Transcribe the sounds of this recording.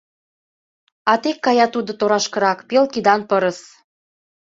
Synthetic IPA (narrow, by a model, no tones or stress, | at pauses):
ɑt̪ekːɑjɑt̪ud̪ot̪oɾɑʃkɤ̆ɾɑkpelkid̪ɑnpəɾə̆s